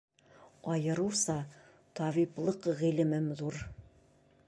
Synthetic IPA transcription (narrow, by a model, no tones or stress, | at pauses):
ɒjɤ̆ɾɤwsɑ | t̪ɒβiplˠɤqʁilɘ̆mɘmðuɾ